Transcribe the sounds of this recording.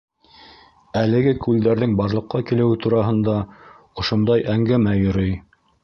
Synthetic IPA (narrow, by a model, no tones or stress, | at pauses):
ælɘ̆ɡɘkʉld̪æɾðɘŋbɑɾlˠɤ̆qːɑkilɘ̆wɘt̪uɾɑɦɤ̆nd̪ɑ | ŏʃŏnd̪ɑjʔæŋɡæmæjɵ̆ɾɵj